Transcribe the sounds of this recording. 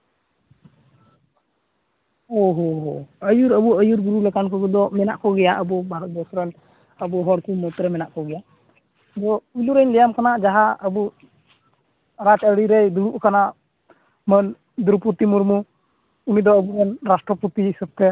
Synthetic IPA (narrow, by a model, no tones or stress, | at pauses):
ɔɦɔɦɔəjuɾəbuəjuɾɡuɾulakankɔɡɔd̪ɔmɛnaʔkɔɡɛjaʔəbɔbaɾɔd̪ɔsɾan | əbɔɦɔɽkumɔt̪ɾɛmɛnaʔkɔɡɛjaʔ | d̪ɔuluɾəɲlɛjamkanaʔd͡ʒaɦaəbu | ɾat͡ʃəɽiɾɛjd̪uɽuʔkanaʔ | mən | d̪ɾuput̪imuɾmu | umid̪ɔəbuanɾasʈɾɔput̪isəb̚t̪ɛ